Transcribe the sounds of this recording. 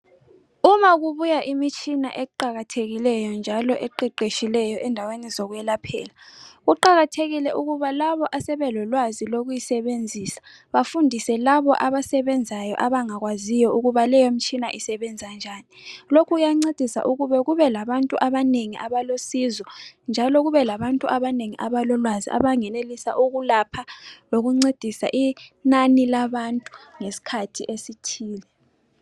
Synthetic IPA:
umaɣuβujaʔimit͡ʃʼinaʔɛǃaɣatʰeɣilɛjɔnd͡ʒʱalɔʔɛǃiǃeʃilɛjɔʔɛndʱawenizɔɣuwɛlapʰɛ̰ːlaɣuǃaɣatʰeɣilɛʔuɣuβalaβɔʔasɛβɛlɔlwaziloɣujisɛβend͡zʱiːsḁ | βafundʱisɛlaβɔʔaβasɛβɛnd͡zʱajɔ̰ʔaβaŋaɣwazijɔuɣuβalɛjom̩t͡ʃʼinaʔisɛβɛnd͡zʱand͡ʒʱaːnilokʰuujaŋ͡ǀed̥ʱisa̰ʔuɣuβɛɣuβɛlaβantʼuʔaβaneŋiʔaβalosizɔnd͡ʒʱalɔɣuβɛlaβantʼuʔaβaneŋiʔaβalɔlwazḭʔa̰βaŋɛnelisaʔuɣulapʰaloɣuŋ͡ǀed̥ʱisa̰ʔinanilaβantʼu̥ŋesi̥kʰatʰiʔesitʰiːlɛ

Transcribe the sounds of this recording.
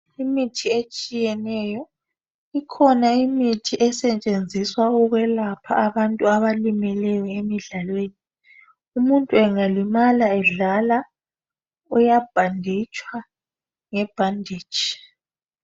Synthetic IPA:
imitʰiet͡ʃʼijɛnɛjɔ | ikʰɔnaimitʰiʔɛsɛt͡ʃʼend͡zʱiswauɣwɛlapʰa̰ːβantʼuaβalimɛlɛjɔemiɮalweːni | umuntʼuɛŋalimalaɛɮala | ujab̥ʱandʱit͡ʃʼwa | ŋɛb̥ʱandʱiːd̥t͡ʃi̥

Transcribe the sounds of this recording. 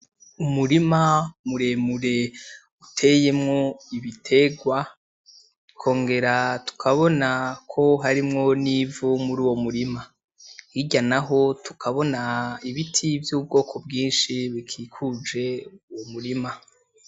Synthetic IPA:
umuɾimamuɾe̞muɾe̞ | utʰe̞je̞mŋo̞iβitʰe̞ɡwa | kʰo̞ːŋɡe̞ɾatu̥kʰaβo̞nakʰo̞ɦaɾimŋo̞nivumuɾuːwo̞muɾima | jiɟanaɦo̞tʰu̥kʰaβo̞naiβitʰivjuːb̚ɡo̞ːkʰo̞bɡiːnʃiβikʰiːkʰud͡ʒe̞uwomuɾima

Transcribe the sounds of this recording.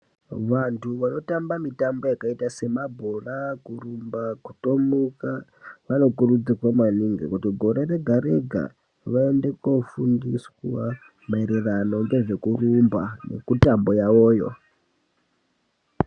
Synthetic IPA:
ʋantʰuʋano̞tambamitambo̞jakaitase̞mabʱorakurumbakutomuka | ʋano̞kurud͡zikwamaniŋɡḛkutiɡʱo̞ɾere̞ɡʱaɾe̞ɡʱa̰ | ʋaende̞kofundiswa | maeɾerano̞ŋɡe̞ʐe̞kurumbanḛkutambo̞jawoːjo̞̰

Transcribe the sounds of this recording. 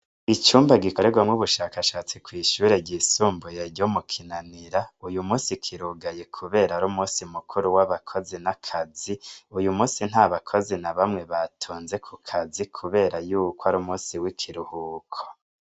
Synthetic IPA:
it͡ʃuːmbaɡikoɾeɡwamŋuβuʃaːkaʃaːt͡sikwiːʃuːɾe̞ɟisuːmbujeɾɟomukʰinaniɾaujumuːsikʰiɾuɡaje̞kʰuβe̞ːɾaɾumuːsimukʰuɾuwaβakʰo̞zinakʰaziujumuːsin̥haːβakʰo̞zinaβamŋe̞βatʰuːnze̞kʰukʰazikʰuβe̞ːɾajuːkoaɾuːmuːsiwikʰiɾuhuːkʰo̥

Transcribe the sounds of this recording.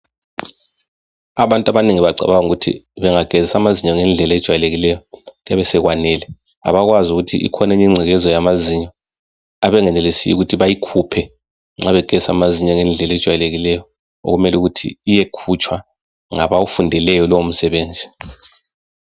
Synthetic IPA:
aβantʼaβaniŋiβaɡ͡ǀʱa̰βawaŋuɣutʰḭβɛŋaɡ̥ʱezisamaziɲɔŋɛnd͡ɮʱɛlɛd̥ʒ̥ʱwajɛleɣilɛjɔɣaβɛsɛɣwanɛːlɛ | a̰βaɣwazuɣutʰḭʔḭkʰɔneɲiŋ͡ǀʱɛɣɛzɔjamaziɲɔ | aβɛŋɛnɛlesijuɣutʰiβajikʰupʰɛ | ŋ͡ǁaβɛɡ̥ʱɛsa̰maziɲɛŋɛnd͡ɮʱɛlɛd̥ʒ̥ʱwajɛleɣilɛjɔ | o̰ɣumɛluɣutʰḭːjekʰut͡ʃʰʼwa | ŋaβaufundʱɛlɛjɔlɔwom̩sɛβeːnd͡zʱi

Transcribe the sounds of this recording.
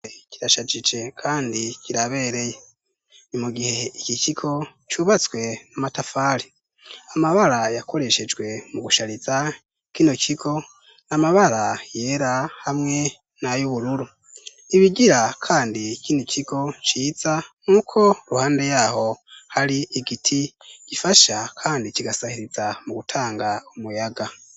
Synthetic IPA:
ciɾaʃad͡ʒid͡ʒe̞kʰaːndiciɾaβe̞ɾe̞je | nimuɡihe̞iciciɡo̞t͡ʃuβat͡swe̞namatafaːɾi | amaβaɾajako̞ɾe̞ʃe̞d͡ʒɡwe̞muɡuʃaɾiza | kinocʰiɡo̞ | namaβaɾaje̞ːɾahamŋe̞ | najuβuɾuɾu | iβiɟiɾakʰaːndikinocʰiɡo̞t͡ʃiːz̥aŋuːkʰo̞ɾuhaːnde̞jaːho̞haɾiʔiɡitʰiɟ̥ifaʃakʰaːndiciɡasahiɾiz̥amuɡutʰaːŋɡaumujaɡa

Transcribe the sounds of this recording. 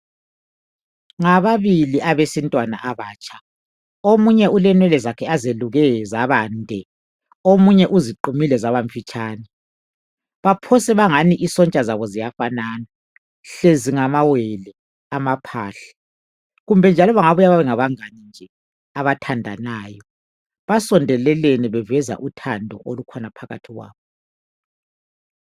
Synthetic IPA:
ŋaβaβiliʔaβesintʼwana̰ʔaβaːt͡ʃʼʰḁ | omuɲɛʔulɛnwɛlɛzakʰɛazeluɣɛzaβaːndʱɛ | omuɲɛʔuziǃumilɛzaβaɱfit͡ʃʼaːnɛ | βapʰɔsɛβaŋaniʔisɔnt͡ʃʼazaβɔzijafanaːna | ɬeziŋamawɛlɛ | amapʰaːɬɛ̥ | ɣumbʱɛnd͡ʒʱalɔβaŋaβujaβaβɛŋaβaŋanind͡ʒʱɛ | aβatʰandʱa̰naːjɔ | βasɔndʱɛlɛleniβɛvɛza̰ʔutʰandʱɔ̰ʔolukʰɔnapʰaɣa̰tʰiɣwa̰ːβɔ

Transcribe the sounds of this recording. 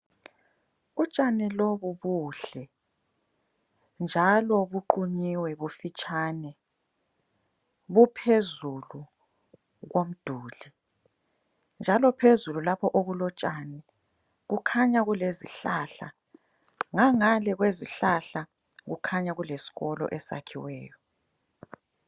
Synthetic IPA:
ut͡ʃʼanɛloβuβuːɬɛ | nd͡ʒʱalɔβuǃuɲiwɛβufit͡ʃʼaːnɛ | βupʰezulu | ɣom̩d̥ʱuːli | nd͡ʒʱalɔpʰezululapʰɔʔoɣulɔt͡ʃʼanɛ | ɣukʰaɲaɣuleziɬaɬa̰ | ŋaŋalɛɣweziɬaɬa | ɣukʰaɲaɣulesi̥ɣɔlɔ̰ʔɛsa̰kʰiwɛːjɔ

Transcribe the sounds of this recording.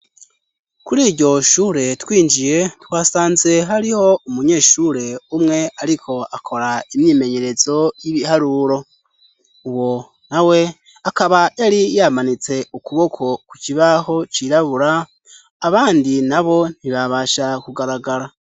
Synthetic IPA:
kuɾiːɾɟo̞ʃuːɾe̞twiːnd͡ʒije̞twaːsaːnze̞ɦaɾiho̞umuɲe̞ːʃuɾe̞umŋe̞aɾikʰo̞akʰo̞ɾaimɲiːme̞ɲe̞ɾe̞zo̞jiβihaɾuɾo̞ | uwo̞ | nawe̞ | akaβaʔeɾijamanit͡se̞ukuβo̞kʰo̞kuciβaho̞t͡ʃiɾaβuɾaː | βaːndinaβo̞n̥iβaβaːʃakuɡaɾaɡaɾa

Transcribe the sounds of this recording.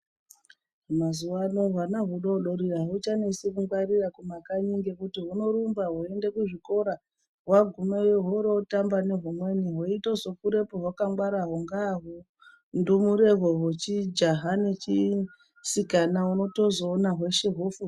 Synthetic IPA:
mazuwanoʋanaɦuɗoɗoɾiaɦut͡ʃanesikuŋɡwarirakumakaɲiŋɡe̞kutiɦuno̞ɾumbaɦue̞nde̞kuʐiko̞ɾa | ɦwaɡʱumejeɦoɾo̞tambane̞ɦomwe̞niɦwoitozo̞kuɾe̞poɦwakaŋɡwaɾaɦoŋɡaɦo | ndumuɾe̞ɦoɦot͡ʃid͡ʒaɦane̞t͡ʃi | sikanauno̞to̞zoːnaɦwe̞ʃeɦofu

